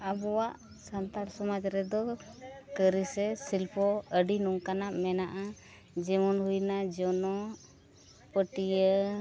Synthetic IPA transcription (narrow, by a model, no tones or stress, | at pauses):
abɔwaʔ | sant̪aɽsɔmad͡ʒɾɛd̪ɔkəɾisɛsilpʰɔəɖinɔŋkanaʔmɛnaʔa | d͡ʒɛmɔnɦujnad͡ʒɔnɔ | pəʈijə